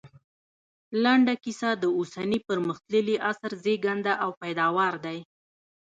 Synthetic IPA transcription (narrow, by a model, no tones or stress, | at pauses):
laɳɖakisad̪əosanipəɾməxt̪ləliʔasɾzeɡand̪aʔawpajd̪ɑwɑɾd̪aj